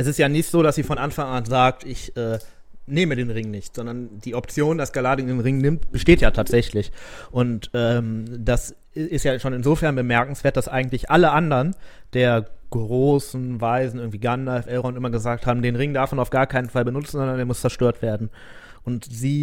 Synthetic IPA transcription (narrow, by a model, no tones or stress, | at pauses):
ʔɛsɪstjaːnɪçtz̥oːɾasz̥iːfɔnʔanfaŋanzaːk̚tɪçʔɛː | neːmədeːnʁɪŋnɪçtz̥ɔndɐnd̥iːɔp̚t͡sjoːndasɡ̥alaːdəɪndeːnʁɪŋnɪmt̚b̥əʃteːtjaːtʰaːtz̥ɛçlɪçʔʊntʔɛːmd̥as | ɪstjaːʃoːnɪnzoːfɛɐnbəmɛɐkŋ̩sv̥eːɐt̚d̥asʔaɪɡŋ̩tlɪçʔaləʔandəʁən | d̥eːɐɡ̥ʁoːsn̩vaɪzn̩ʔɪɐɡ̩ŋ̩tv̥iːɡanːaɛfɛʁoʊntʔɪmɐɡəzaːkthaːbm̩deːnʁɪŋdaɐfmanaʊfɡ̥aːɐkʰaɪnənfalbənʊt͡sn̩zɔndɐneːɐmʊst͡sɛɐʃtøːɐtv̥eːɐdn̩ | ʔʊntz̥iː